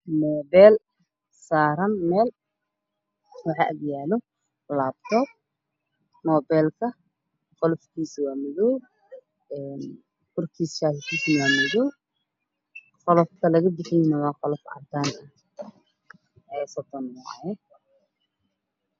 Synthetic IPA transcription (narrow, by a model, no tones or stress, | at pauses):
nɔːbɛːl | saːɾɐnmɛːl | wɑħɑ̰ːʔɐɡjaːlɔ | labt̪ʰɔːb̚ | nɔːbɛːlkʰɐ | qɔlɔfkʰiːswaːmɪðɔw | ɛːn | kʰʊrkʰiːsʃaːsɪk̪ʰiːsɪnwaːmɪðɔː | qɔlɔfkʰɐlɐɣɐbɪħɪjɪnɐwɑːqɔlɔfɑ̰t̪ʰaːnɐ | ɛːsɔd̪ɔnmɔʕɑ̰jɛ